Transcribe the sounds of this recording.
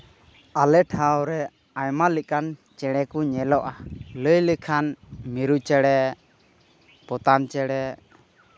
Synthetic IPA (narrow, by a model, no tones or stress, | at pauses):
alɛʈʰawɾɛ | ajmaliʔ̚kant͡ʃɛɽɛkuɲɛlɔʔaləjlikʰanmiɾut͡ʃɛɽɛ | pɔt̪ant͡ʃɛɽɛ